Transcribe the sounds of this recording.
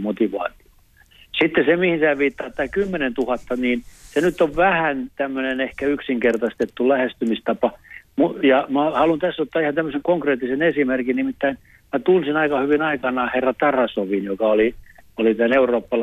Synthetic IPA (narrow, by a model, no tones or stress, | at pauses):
mot̪iʋɑ̰ːt̪io̥ | sit̪ːesemihinsæʋiːt̪ːɑːt̪t̪ːɑikymːenent̪uhɑt̪ːɑniːnsenyt̪ːoʋʋæhænt̪æmːønenehkæyksiŋkert̪ɑst̪et̪ːulæhest̪ymist̪ɑpɑmujɑmæhɑlunt̪æsːot̪ːɑːihɑnt̪æmːøseŋkoŋkreːt̪ːisenesimerkinnimit̪ːæin | mæt̪unsinɑikɑhyʋinɑikɑnɑːherːɑt̪ɑrɑsoʋinjokɑoliolit̪æneuroːpːɑl